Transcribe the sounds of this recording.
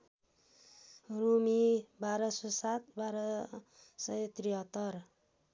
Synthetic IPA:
rumibaɾʌsosat̪̚baɾʌ | sʌjt̪riʌt̪ʌr

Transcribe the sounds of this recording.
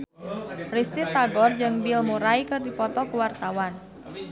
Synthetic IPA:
rist̪it̪aɡɔrd͡ʒɨŋbilmuɾaikɨrdipɔt̪ɔkuwart̪awan

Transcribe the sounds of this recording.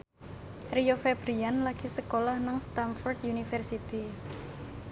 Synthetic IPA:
riofebɾianlaɡ̥isəkolahnaŋst̪anfɔrd̪junifɛrsit̪i

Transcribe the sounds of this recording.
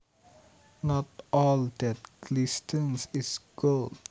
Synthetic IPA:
nɔtɔld̪ɛt̚klɪstʰə̃nsɪsɡ̥old

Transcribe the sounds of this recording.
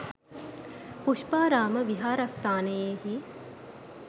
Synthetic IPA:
puʃpaːɾaːmɐʋiɦaːɾɐst̪ʰaːnejeɦi

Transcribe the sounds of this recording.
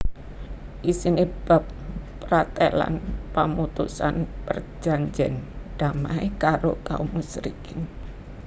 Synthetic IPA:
ʔisinib̥ap̚ | pɾat̪ɛla̰npəmut̪usanpərd͡ʒaɲd͡ʒɛnɖ̥amaikaɾokaumusɾikɪn

